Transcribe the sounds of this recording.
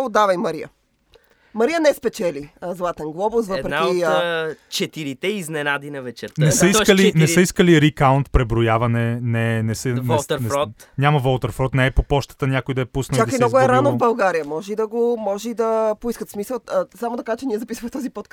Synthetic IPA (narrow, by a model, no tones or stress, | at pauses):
od̪avɐjmɐɾiə̰ | mɐɾiənɛspɛt͡ʃɛlizlˠat̪ɛnɡlˠɔbosvəpɾɛki | t͡ʃɛt̪iɾit̪ɛiznɛnad̪inɐvɛt͡ʃɛɾt̪nɛsəikəlinɛsəiskəliɾikaunt̪pɾɛbɾojavɐnɛnɛnɛsəvnɛlˠt̪ɾɾɔt̪nʲjamɐvɔlˠt̪ɛɾfɾɔt̪nɛɛpopɔʃt̪ə̥t̪ənʲakojd̪ɐɛpusnt͡ʃakd̪kimnnɔɡoɛɾanovbɐlˠɡaɾijɐmɔʒɛid̪ɐɡomɔʒɛid̪ɐpoiskət̪smisəlˠsamod̪ɐkaʒt͡ʃɛniɛzɐpisvɐmɛt̪ɔzipɔt̪̚k